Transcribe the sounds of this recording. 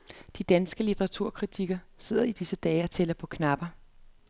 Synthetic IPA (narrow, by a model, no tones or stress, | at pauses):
d̥id̥ænsɡ̥əlit͡sʰeʁɑt͡sʰuɐ̰kʰʁit͡sʰiɡ̥ɐse̝ð̰ˠɐid̥isəd̥ɛːɒ̽t͡sʰelɐpʰɒ̽kʰnɑ̈b̥ɐ